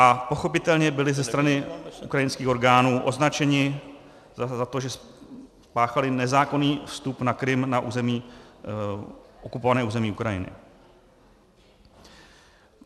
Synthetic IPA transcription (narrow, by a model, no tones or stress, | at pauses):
ʔapo̞xo̞pɪt̪ɛlɲɛbɪlɪzɛst̪ɾanɪʔukɾajɪnskiːxo̞ɾɡaːnuːʔo̞znat͡ʃɛɲɪ | zzat̪oʒɛs | paːxalɪnɛzaːko̞niːfst̪upnakɾɪmnaʔṵːzɛmiː | ʔokupovanɛːʔuːzɛmiːukɾajɪ̰nɪ̰